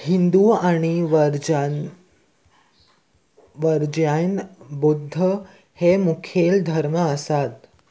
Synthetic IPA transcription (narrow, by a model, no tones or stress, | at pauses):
hind̪uaɽ̃iʋɾ | ʋəɾd͡ʑanbud̪ʱːə | hemukʰjeld̪ʱəɾməəsat̪